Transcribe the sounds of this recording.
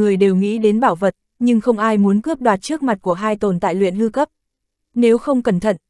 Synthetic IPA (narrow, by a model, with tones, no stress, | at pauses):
ɨ˨˩əjɗe˨˩wŋḭ˧˥ɗe˨˦nɓaː˧˩wvə˨˩t̚ | ɲɨ˧ŋxə˧wŋ͡mʔaː˧jmu˨˦ənkɨ˦˥əp̚ɗwaː˨˩t̚t͡ɕɨ˦˥ək̚ma˨˩t̚ku˧˩əɦaː˧jt̪o˨˩nt̪a̰ː˧˨jlwḭ˧˨ənhɨ˧kə˦˥p̚ | ne˨˦wxə˧wŋ͡mkə˧˩nt̪ʰə̰˧˨n